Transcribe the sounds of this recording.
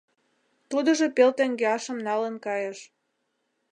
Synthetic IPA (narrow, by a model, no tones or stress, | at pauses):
t̪ud̪ə̆ʒopelt̪eŋɡeɑʃə̆mnɑlənkɑjəʃ